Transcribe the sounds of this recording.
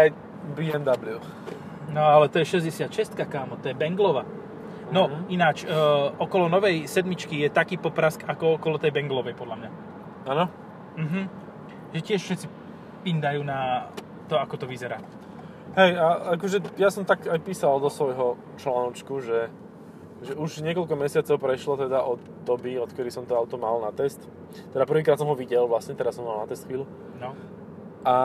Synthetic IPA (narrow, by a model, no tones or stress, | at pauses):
aj | biɛnd̪ablju | nɔalɛt̪ɔjɛʃɛzɟɛsɪat̪ʃɛst̪kakaːmɔt̪ɔjɛbɛŋɡlɔʋaː | nɔinaːt͡ʃːʔɔkɔlɔnɔʋɛjsɛd̪mit͡ʃkijɛt̪akiːpɔpɾaskakɔɔkɔlɔt̪ɛjbɛŋɡlɔʋɛjpɔd̪lamɲa | aːnɔ | m̩ɦm̩ | ʒɛcɪɛʃfʃɛt̪t͡si | imd̪ajuːna | t̪ɔakɔt̪ɔʋizɛɾaː | ɦɛjaakɔʒɛjasɔmt̪akajpiːsald̪ɔsʋɔjɦɔ | t͡ʃlaːnɔt͡ʃkuʒɛ | ʒɛuʒɲɪɛkɔlkɔmɛsɪat͡sɔʊpɾɛʃlɔt̪ɛd̪aʔɔt̪d̪ɔbiɔt̪kɛɾisɔmt̪ɔaʊt̪ɔmalnat̪ɛst̪ | t̪ːɛd̪apr̩ʋiːkɾat̪sɔmɦɔʋiɟɛlʋlasɲɛt̪ɛɾasɔmalnat̪ɛst̪xʋiːlu | nɔ | ʔa